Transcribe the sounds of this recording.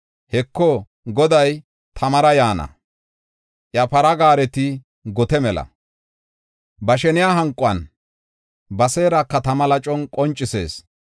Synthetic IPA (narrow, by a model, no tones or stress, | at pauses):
hɛkːɔ | ɡɔd̪ɐj | t̪ʰɐmɐɾɐjaːnɐ̰ | ʔjɐpɐɾɐɡaːɾɛt̪ɪ | ɡɔt̪ɛmɛlɐ̰ | bɐʃɛnɪjaːɦɐŋkʼʊwɐn | bɐseːɾɐkːɐt̪ɐmɐlɐt͡ʃʼɔnkʼɔnt͡ʃʼːɪse̞̰ːs